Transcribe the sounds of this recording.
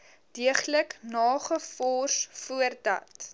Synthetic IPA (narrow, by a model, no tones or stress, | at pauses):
d̥iəχləknɑːχəfɔːrsfuərdɐ̰t